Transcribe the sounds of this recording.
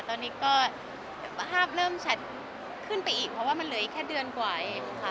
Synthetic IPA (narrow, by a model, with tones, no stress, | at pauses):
t̪ɔː˧nːiː˦˥kɔː˥˩ | ɦaː˥˩p̚ɾɤː˥˩mt͡ɕʰa˦˥t̪̚ | kʰɯ˥˩npa˧jʔiː˨˩k̚pʰɾɔ˧˩waː˥˩ma˧nlɯ˨˩˦ʔi˨˩kʰɛː˥˩dɯ˧ənkwaː˨˩ʔeː˨˩˧kʰa˦˥˩